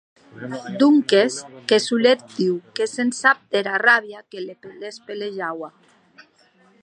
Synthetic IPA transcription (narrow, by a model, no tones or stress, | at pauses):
d̪uŋkeskesulet̪̚d̪iwkesensap̚t̪eɾaraβjakelepelespeleʒawa